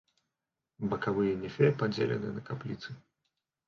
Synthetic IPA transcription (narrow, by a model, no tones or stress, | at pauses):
bɐkavɨjɛnʲɛfʲɛpad͡zʲḛlʲɛ̰nɨnɐkaplʲit̪sɨ